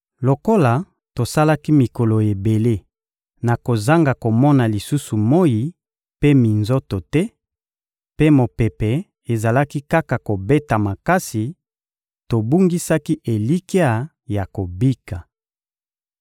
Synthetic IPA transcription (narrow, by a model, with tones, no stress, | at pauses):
lo˨ko˦la˨ | to˨sa˦la˦ki˦mi˨ko˨lo˨e˨be˨le˦ | na˨ko˨za˦ŋɡa˨ko˨mɔ˦na˨li˨su˦su˨mo˦ji˨ | pe˦mi˨nzo˦to˨tɛ˦ | pe˦mo˨pe˨pɛ˨ | e˨za˨la˦ki˦ka˦ka˨ko˨be˦ta˨ma˨ka˦si˨ | to˨bu˦ŋɡi˦sa˦ki˦ʔe˨li˦ki˦a˦˨ | ja˨ko˨bi˦ka˨